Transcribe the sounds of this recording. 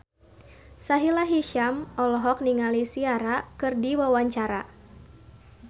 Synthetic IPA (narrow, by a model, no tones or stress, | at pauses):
saɦilaɦiʃamɔlɔɦɔk̚niŋalisiaɾakɨrdiwawaɲt͡ʃaɾa̰